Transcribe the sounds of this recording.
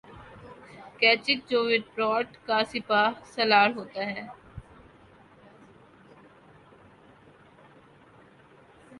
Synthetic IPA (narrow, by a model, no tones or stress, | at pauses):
kɛːt͡ʃɪk̚d͡ʒoːʋɪʈ̚pɾɔːʈkasɪpaːsɐlaːɾɦoːt̪aɦɛː